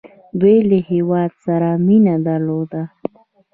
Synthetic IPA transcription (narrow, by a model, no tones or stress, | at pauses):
d̪wejləhewɑd̪saɾaminad̪aɾlod̪a